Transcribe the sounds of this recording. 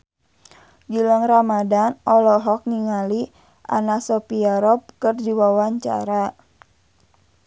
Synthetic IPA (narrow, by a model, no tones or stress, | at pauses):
d͡ʒilaŋramadanʔɔlɔɦɔk̚niŋali | ʔa̰nasɔpiaɾɔp̚kərdiwawaɲt͡ʃa̰ɾa